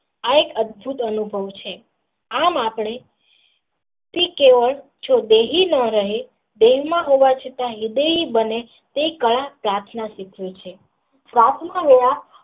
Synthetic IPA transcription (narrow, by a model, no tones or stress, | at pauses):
aekəd̪̚bʱut̪ənubʱəʋt͡ʃʰe | amapɳ̃e | t̪ekeʋəɭ | d͡ʒod̪eɦinəɾəɦe | d̪eɦmãɦoʋat͡ʃʰet̪aɦid̪eɦibəne | t̪eikəɭapɾaɾt̪ʰnaʃikʰjot͡ʃʰe | pɾat̪ʰnaʋeja